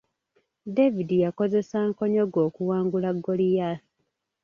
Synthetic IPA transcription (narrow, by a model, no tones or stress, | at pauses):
devidijako̞ze̞saːŋko̞ɲoɡo̞ːkuwaːŋɡulaɡːolijasi